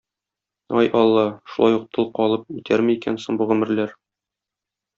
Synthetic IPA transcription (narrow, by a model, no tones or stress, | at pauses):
ɒjʔɒlˠːɑʃulˠɑjuq̚t̪ʰɤlˠqɒlˠɤp̚it̪ʰæɾmiikænsoɴbuʁɵ̆mɘ̆ɾlæɾ